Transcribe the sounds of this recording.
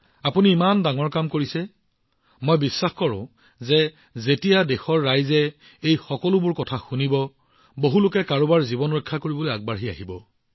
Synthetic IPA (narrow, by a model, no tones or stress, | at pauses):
apuniːmandaŋɔɹkamkoɹisɛ | mojbisːaxkɔɹʊ̰̃ | zɛ | zetijadɛxɔɹːajzɛ | ejxɔkɔlʊbʊɹkɔtʰaxunibɔ | boɦulʊkɛkaɹʊbaɹzibɔnɔkʰːakoɹibɔlojaɡ̚baɹɦia̰ɦibɔ